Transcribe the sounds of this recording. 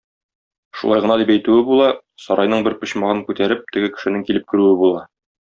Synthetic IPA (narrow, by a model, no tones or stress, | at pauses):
ʃulˠɑjʁɤ̆nɑd̪ipæjt̪ʉɘbulˠɑ | sɒɾɑjnɤɴbɘɾpɤ̆ɕmɑʁɤŋkʉt̪æɾɘp̚t̪ɘ̆ɡɘkɘ̆ʃɘ̆nɘŋkilɘp̚kɘ̆ɾʉwɘbulˠɑ